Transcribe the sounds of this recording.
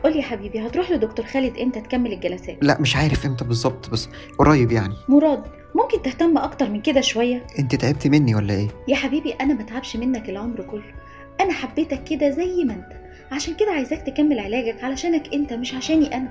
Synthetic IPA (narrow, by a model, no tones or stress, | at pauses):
ʔolːijæħabiːbihɑt̪ɾˤuːħlod̪okt̪oːɾˤxæːled̪ʔent̪æt̪kæmːelelɡælæsæ̰ːt̪læ̰ʔmeʃʕaːɾefʔent̪æbezˤːɑb̚t̪ˤbæsː | wɾˤɑːjebjaʕnimoɾˤɑːd̪ | momkent̪eht̪æmːʔɑkt̪ɑɾˤmenked̪æʃowæjːæʔent̪it̪ʕeb̚t̪imenːiwælːæʔeːjæħabiːbiʔænæmæt̪ʕabʃmenːækelʕomɾkolːo | ʔænæħabːeːt̪ækːed̪æzæjːmæʔent̪æ̥ | ʕaʃæːnked̪æʕajezæːk̚t̪ekæmːelʕelæːɡækʕalæʃæːnækʔent̪æmeʃʕaʃæːniʔænæ